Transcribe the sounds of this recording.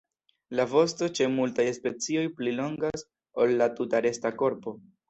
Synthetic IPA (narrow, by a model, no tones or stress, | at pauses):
lavo̞sto̞t͡ʃe̞multajspe̞t͡sio̞jplilo̞ŋɡas | o̞lːatutaɾe̞stako̞ɾpo̞